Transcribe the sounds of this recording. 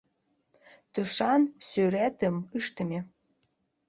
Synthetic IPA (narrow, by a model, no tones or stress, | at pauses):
t̪uʃɑnsøɾæt̪ə̆mɨʃt̪ə̆mʲe